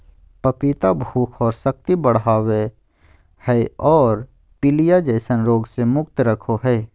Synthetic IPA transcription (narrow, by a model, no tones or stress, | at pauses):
pəpit̪abʱuːkʰɔːɾsək̚t̪ibəɽ̤aːwe | hɛɔːɾ | pɪlijad͡ʒɛːsənɾoːɡsemʊk̚t̪ɾəkʰoɦɛː